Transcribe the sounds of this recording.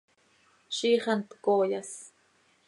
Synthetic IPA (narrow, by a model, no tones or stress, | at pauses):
ʃiːχɑnt̪koːjas